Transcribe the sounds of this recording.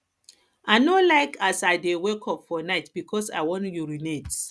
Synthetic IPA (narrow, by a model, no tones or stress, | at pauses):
aɪnolaɪkʰasaɪdewekʰɔpfɔnaɪtb̥ikʰɔsa̰ɪwɔ̃njuɹinet